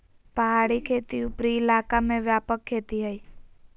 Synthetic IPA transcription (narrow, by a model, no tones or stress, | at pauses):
pəɦaːɽikʰeːt̪iʊpɾiɪlaːkamẽʋjaːpəkʰːeːt̪iɦəiː